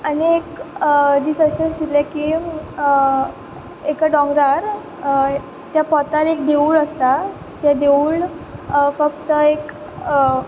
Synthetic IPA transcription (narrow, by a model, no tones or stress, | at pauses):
aniekd̪iːt͡səɕəstilɛki | ekaɖɔ̃ŋɡɾaɾ | t̪japɔt̪aɾek̚d̪euːɭəst̪a | t̪jad̪euːɭ | fəkt̪əek